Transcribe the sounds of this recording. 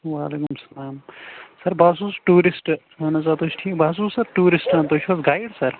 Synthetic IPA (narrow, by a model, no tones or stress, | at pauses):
ʋaːleːkumsɐlaːmsɐɾbʱaːsuːsʈuːɾisʈ | ɦɐnɐt͡ʃaːt̪oːt͡ʃʰʈʰiːkbʱaːs̬uːsɐɾʈuːɾisʈɐ̃t̪oːt͡ʃʰɐsɡaːjɽsɐɾ